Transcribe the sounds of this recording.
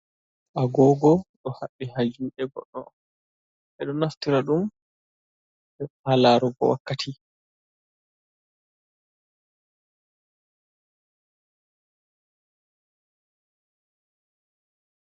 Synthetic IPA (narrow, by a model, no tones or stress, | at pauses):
ʔaɡɔːɡɔɗɔhaɓːihad͡ʒuːʔɛɡɔ̰ɗːɔ̰ | ʔɛɗɔnaftiɾaɗum | ɓɛhalaːɾuɡɔ̰wa̰kːatʰi